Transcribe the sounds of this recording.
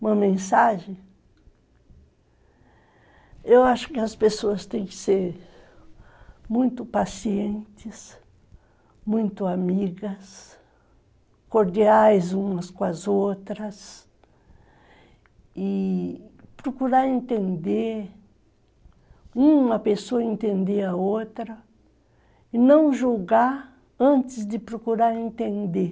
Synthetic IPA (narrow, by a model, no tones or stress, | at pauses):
ũmɐmẽsaʒẽ | ewaʃʊ̥kɪɐspesoɐst̪ẽj̃kɪ̥seɾ | mũj̃t̪ʊpasiẽnt̪ɪs | mũj̃t̪ʊamiɡɐs | koɾd̪iajzũmɐskõɐzot̪ɾɐs | i | pɾokuɾaɾẽnt̪ẽnd̪e | ũɐpesoɐẽnt̪ẽnd̪eɾɐot̪ɾɐ | inɐ̃w̃ʒoɡa | ɐ̃nt̪ɪsd̪ɪpɾokuɾaɾẽnt̪ẽnd̪e